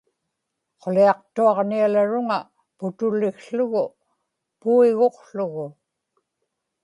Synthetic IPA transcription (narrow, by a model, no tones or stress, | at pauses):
qʰoliɑq̚t̪uɑʁnialaɻʊŋa | pʊt̪ʊlːɪxɬʊɣʊ | puiɣo̞qɬʊɣʊ